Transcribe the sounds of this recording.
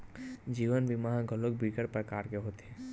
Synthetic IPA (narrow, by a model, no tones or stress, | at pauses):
d͡ʒiːʋənbʱimaɦãɡʱəlok̚bʱiːkəɾpɾəkaːɾkeɦoːt̪eɦɛ̃ː